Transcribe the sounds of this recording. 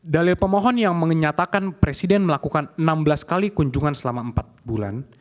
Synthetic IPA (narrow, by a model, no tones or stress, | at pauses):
dalɪlpəmɔɦɔnjaŋməŋəɲat̪akanpɾesidɛnməlakukanənambəlaskalikuɲd͡ʒuŋansəlamaəmpat̪̚bula̰n